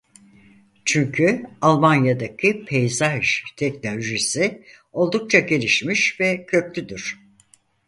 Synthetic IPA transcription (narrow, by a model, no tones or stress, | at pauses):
t͡ʃʰyɲcʰyalˠmanjad̪acʰɯpʰe̞jzaʒt̪ʰɛcnolʲoʒisi | o̞lˠd̪uk̚t͡ʃʰaɟelʲiʃmiʃvɛcʰø̞klʲyd̪yɾ̝̥